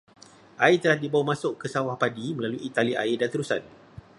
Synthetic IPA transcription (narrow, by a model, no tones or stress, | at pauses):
ʔait̪əlahdibawamãsʊʔkəsawahpadiməlaluʔit̪aliʔa̰ɪdant̪əɾusa̰n